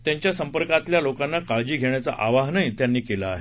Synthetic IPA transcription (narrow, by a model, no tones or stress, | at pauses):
t̪jaɲt͡ɕjasəmpəɾkat̪ljalokanːakaɭd͡ʑiːɡʱeɳ̃jat͡sa̰ʔaʋaɦnəjt̪janːiːkelaːɦe